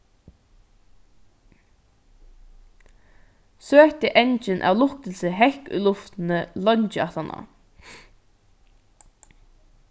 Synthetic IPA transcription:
søːt̪ɪʔɛnt͡ʃɪnʔa̰wlʊhkt̪ɪlsɪɦɛhkʏ̰jlʊft̪ɪnɪlɔɲt͡ʃɪaht̪ana̰

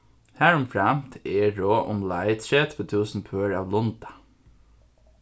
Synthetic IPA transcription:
hæːɹʊmfɹæmt̪ʰeːɹoːʔʊmlɑɪt̪ʰɾeːt̪ʰʋət̪ʰʉːsn̩pʰøːɹɑ̰ːʋlʊnd̪ɑ̥

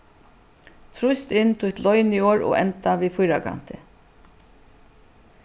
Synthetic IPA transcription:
t̪ʰɾʊjst̪ɪnːt̪ʰʊjt̪lɔjnioːɹɔ̰ːɣʔɛ̰nt̪aviːfʊjɾaka̰n̥t̪ɪ̰

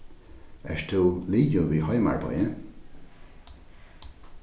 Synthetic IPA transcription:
ɛ̰ʃt̪ʰuːliːjʊviːɦɔjma̰ɹbɔ̰jə

